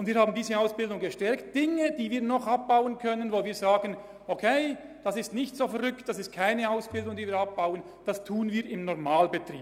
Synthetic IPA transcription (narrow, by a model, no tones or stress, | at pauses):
ʊndviːɾhaːbn̩diːzəaʊsb̥ɪldʊŋɡəʃtɛɐkt̚d̥ɪŋəd̥iːviːɐnɔχʔap̚b̥aʊənkʰœnənvoːviːɐzaːɡən | ʔokʰeɪ | d̥asɪstnɪçtz̥oːfɛʁʏktd̥asɪst̚kʰaɪnəaʊsb̥ɪldʊŋdiːviːɾap̚b̥aʊən | d̥astʰuːənviːɾɪmnɔʁmaːlbətr̥ḭː